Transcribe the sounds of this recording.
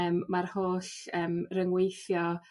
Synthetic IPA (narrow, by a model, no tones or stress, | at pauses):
əːmːarhoːɬəːmrəŋwejθjɔ